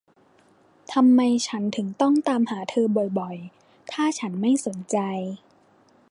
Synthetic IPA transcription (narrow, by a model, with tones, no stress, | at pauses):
t̪ʰa˧mːa˧jt͡ɕʰa˦˥nt̪ʰɯ˩˦ŋt̪ɔ˥˩ŋt̪aː˧mhaː˩˦t̪ʰɤː˧bɔ˨˩jbɔ˨˩j | t̪ʰaː˥˩t͡ɕʰa˦˥nma˥˩jso˩˦nt͡ɕa˧j